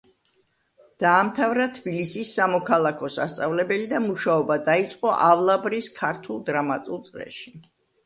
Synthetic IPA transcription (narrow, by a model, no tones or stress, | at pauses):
d̪̥aːmt̪ʰavɾat̪ʰbilisisːamɔkʰalˠakʰɔsa̰st̪sʼavlɛbɛlid̪amuʃaɔbad̪ait̪sʼqʼɔʔavlˠabɾiskʰaɾt̪ʰulˠd̪ɾamat̪ʼulˠt̪sʼɾɛ̰ʃi